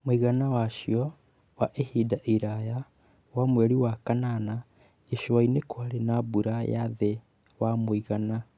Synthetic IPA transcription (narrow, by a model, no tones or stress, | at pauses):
moiɣanawaʃjɔ | waʔehidaʔiɾaja | wamwɛɾiwakanana | eʃwainekwaɾenaβuɾajaðe | wamoiɣana